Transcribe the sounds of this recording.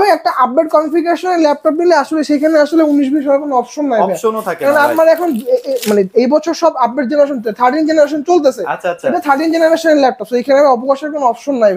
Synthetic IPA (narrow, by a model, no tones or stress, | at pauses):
beɛk̚ʈaʔabbeʈ̚kɔmifik̬eʃoneɾlɛp̚ʈɔp̚nileaʃoleʃejkʰaneaʃoleuniʃbʱiʃɔeɾkonoɔpʃonːajbeɛkʰonapmaɾɛkʰonmaneejbɔt͡ɕʰoɾʃɔbap̚ːeʈ̚d͡ʑenaɾeʃ̬ont̪eet̪ʰaɾɖind͡ʑenaɾeʃ̬ont͡ɕolt̪̬et͡ɕʰeeʈat̪ʰaɾɖind͡ʑenaɾeʃoneɾlɛp̚ʈɔpsejkʰaneameɔpokaʃeɾkonoɔpʃonːajbe